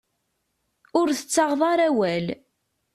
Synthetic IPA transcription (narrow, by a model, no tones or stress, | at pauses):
ʊɾθə̥t͡sːɑʁðˤɑɾˤæwæl